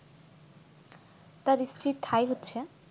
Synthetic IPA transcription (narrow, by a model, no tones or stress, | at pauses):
t̪aɾistʰɾiʈʰajɦotːɕʰe